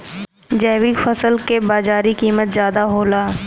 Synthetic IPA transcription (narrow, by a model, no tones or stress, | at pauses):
d͡ʒɛːwikfɐsəlkebaːzaːɾikiːmət̪zjaːd̪aɦoːlaː